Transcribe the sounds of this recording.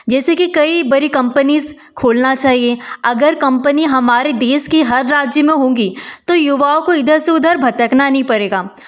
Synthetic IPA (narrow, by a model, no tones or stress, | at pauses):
d͡ʒɛːsekikɐibɐɾikɐ̃mpəniz | kʰoːlnat͡ʃaːɦieɐɡəɾkɐ̃mpəniɦɐmaːɾed̪eːʃkiɦɐɾːaːd͡ʒjəmẽɦõːɡit̪ojʊʋaːõkoɪd̪ʱəɾseʊd̪ʱəɾbʱɐt̪əknanɐɦĩpɐɾeːɡaː